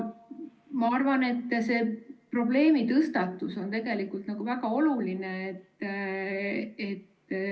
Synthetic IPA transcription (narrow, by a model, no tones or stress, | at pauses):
mɑɑrvɑne̞t̪ːse̞ːpro̞ble̞ːmit̪ɤst̪ɑt̪ːˑuso̞nt̪e̞ɡ̥e̞likult̪nɑɡ̥uvæɡ̥ɑo̞lulineet̪ː | e̞t̪ː